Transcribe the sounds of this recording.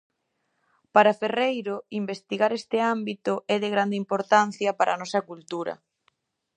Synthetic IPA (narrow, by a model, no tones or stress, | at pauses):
paɾaferejɾʊimbest̪iɣaɾɛst̪ɪambit̪ʊʔɛðɪɣɾand̪eimpoɾt̪an̟θjɐpaɾʔa̰nɔsɐkult̪uɾɐ̰